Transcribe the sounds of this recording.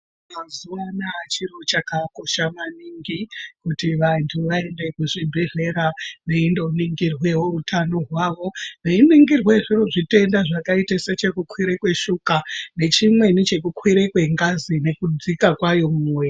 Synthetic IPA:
mazuʋanaːt͡ʃirot͡ʃakako̞ʃamaniŋɡikutiʋantʰuʋae̞nde̞kuʐibʱere̞ɾane̞indo̞niŋɡirwe̞woutʰano̞ɦwaʋo̞neiniŋɡirwe̞ʐiroʐite̞ndaʐakaiteset͡ʃekukwiɾekwe̞ʃukane̞t͡ʃimwe̞nit͡ʃe̞kukwiɾekwe̞ŋɡazine̞kud͡zikakwajo̞muːmwe

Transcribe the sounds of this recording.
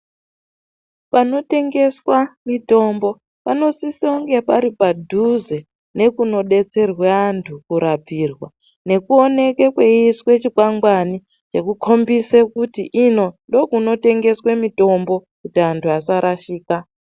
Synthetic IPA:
pano̞te̞ŋɡe̞swamito̞mbo̞ | pano̞siseuŋɡe̞paɾipadʱuze | ne̞kuno̞ɗe̞t͡se̞rweantʰukuɾapiːrwa | ne̞kuo̞ne̞kekwe̞iswe̞t͡ʃikwaŋɡwani | t͡ʃe̞kukʰo̞mbisekutiʔino̞ndo̞kuno̞te̞ŋɡe̞swemito̞mbo̞kutiantʰuasaɾʔaʃiːka

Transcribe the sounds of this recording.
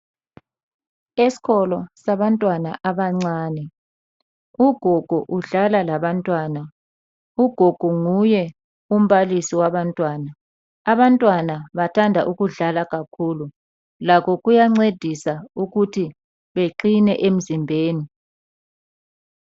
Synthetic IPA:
esi̥ɣɔlɔsaβantʼwanaʔaβaŋ͡ǀaːnɛ | uɡ̥ʱoɡ̥ʱɔʔuɮalalaβantʼwaːna | uɡ̥ʱoɡ̥ʱuŋujɛ | um̩βalisiwaβantʼwaːnaː | βantʼwanaβatʰandʱaʔuɣuɮalaɣakʰulu | lakʰɔɣujaŋ͡ǀed̥ʱisauɣutʰi | βeǃinɛʔem̩zimbʱeːni

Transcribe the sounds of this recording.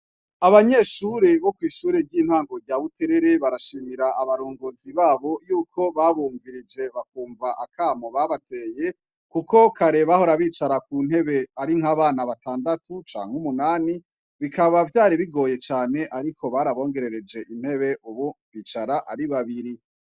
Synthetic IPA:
aβaɲe̞ʃuːɾeβo̞kwiːʃuːɾeɾɟiːn̥haːŋɡo̞ɾɟaːβute̞ɾeɾeβaɾaʃiːmiɾaaβaɾoːŋɡoziβaːβo̞juːkʰo̞βaβuːɱviɾid͡ʒe̞βakuːɱvaʔakʰaːmoβaβate̞ːje̞ | kuko̞kaɾe̞βaɦoɾaβiːt͡ʃaɾakun̥he̞βe̞aɾiŋhaβaːnaβataːndatʰut͡ʃa̰ːŋ̥umunaːni | βikaβavjaːɾiβiɡo̞ːje̞t͡ʃaːne̞ʔaɾikʰo̞βaɾaβo̞ːŋɡe̞ɾe̞ɾe̞d͡ʒe̞ʔinhe̞βe̞ʔuβoβiːt͡ʃaɾaʔa̰ɾiβaβiɾi

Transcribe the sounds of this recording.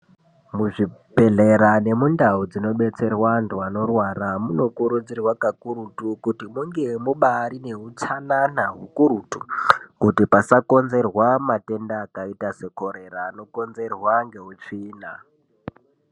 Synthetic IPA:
muʐipe̞ɮe̞ɾane̞mundaud͡zino̞ɓe̞t͡se̞rwantuano̞rwaramuno̞kuɾud͡zirwakakuɾutukutimuŋɡe̞muɓaɾine̞ɦut͡sananaɦukuɾutukutipasako̞nze̞rwamate̞ndaːkaitase̞ko̞ɾe̞ɾaːno̞ko̞nze̞rwaŋɡe̞ɦut͡ʂiːna

